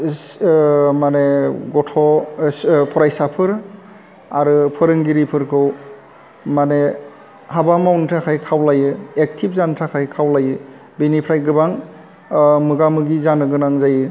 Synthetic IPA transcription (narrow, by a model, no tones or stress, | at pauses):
maneɡɔtʰɔ | pʰɔɾajsapʰɯɾ | aɾɯpʰɯɾɯŋɡiɾipʰɯɾkʰɯw | mane | habamawntʰakʰajkʰawlajɯek̚tʰip̚zantʰakʰajkʰawlajɯ | binipʰɾajɡɯbaŋ | mɯɡamɯɡizanɯɡɯnaŋzajɯ